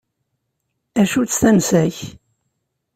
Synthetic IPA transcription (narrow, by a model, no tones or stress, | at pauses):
æʃut͡sːθæmsæç